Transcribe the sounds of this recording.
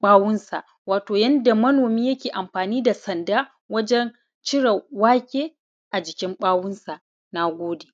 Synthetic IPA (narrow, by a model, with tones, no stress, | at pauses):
ɓaː˦wʊ˦nsa˨ʔ | waː˨toː˨jɐ˦nda˨mɐ˦noː˨miː˦jɐ˦kʲeː˨ʔa˨mɸaː˨niː˦da˨sɐ˨ndaː˦ | wɐ˦d͡ʒɛ˦n | t͡ʃɪ˦ɽɐ˨waː˦kʲʼeː˦ | ʔa˨d͡ʒɪ˨kʲɪ˦mɓaː˦wʊ˦nsa˨ʔ | na˦ɡʷoː˦deː˨